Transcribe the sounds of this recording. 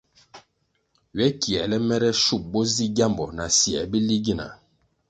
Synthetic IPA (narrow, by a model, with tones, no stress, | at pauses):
ɥɛ˦ki˨ɛ˨lɛ˦mɛ˦ɾɛ˦ʃu˦˨p̚bɔ˦zi˦ɡa˦˨mbɔ˨na˨si˨ɛ̰˨bi˦li˦ɡi˦˨na̰˨